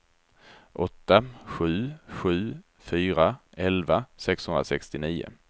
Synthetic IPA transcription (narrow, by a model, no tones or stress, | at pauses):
ʔɔt̪ːaɧʉ̟ːɧʉ̟ː | fyːɾaʔɛlvasɛkshɵnɾasɛkst̪ɪniːʊ̰